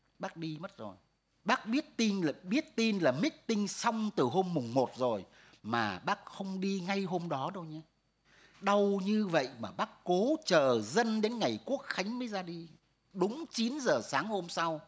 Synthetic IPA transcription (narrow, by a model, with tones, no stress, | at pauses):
ɓaː˦˥k̚ɗi˧m˦˥t̚zo˨˩j | ɓaː˦˥k̚ɓi˦˥ət̚t̪i˧n˨˩ɓi˦˥ət̚t̪i˧nlaː˨˩mi˦˥k̚t̪ï˧ŋsa˧wŋ͡mt̪ɨ˨˩ɦo˧mːʊ˨˩ŋ͡mmo˨˩t̚zo˨˩j | maː˨˩ɓaː˦˥k̚xə˧wŋ͡mɗi˧ŋa˧jɦo˧mɗɔ˨˦ɗo˧˩wɲa˧ | ɗə˨˩wɲɨ˧və̰˧˨jmaː˨˩ɓaː˦˥kːo˨˦t͡ɕəː˨˩zə˧nɗe˨˦nŋa˨˩jku˦˥ək̚xa˨˦jŋ̟məː˨˦jzaː˧ɗi˧ | ɗʊ˨˦ŋ͡mt͡ɕi˨˦nzəː˨˩saː˨˦ŋho˧msa˧w